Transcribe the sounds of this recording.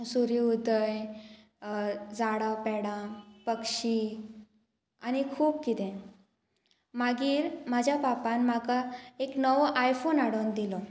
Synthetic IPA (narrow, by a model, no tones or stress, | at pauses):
suɾiud̪əj | d͡zaɽãpɛɽãpəkʂi | añikʰuːbkit̪ɛ̃ | maɡiːɾm̤ad͡ʑʱjapapãnmakaeknəʋʔajfonaɽond̪ilɔ